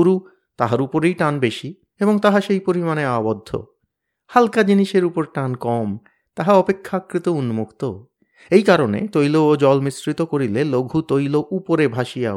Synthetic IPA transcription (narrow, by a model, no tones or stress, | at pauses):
oɾu | t̪aɦaɾupoɾejʈanbeʃi | eboŋt̪aɦaʃejpoɾimaneabod̪ʱːo̰ | halkad͡ʑiniʃeɾupoɾʈankɔm | t̪aɦaɔpekʰːaakːɾit̪ounmukt̪o̰ | ejkaɾonḛt̪ojlood͡ʑɔlmisɾit̪okoɾileloɡʱut̪ojloʔupoɾebʱaʃija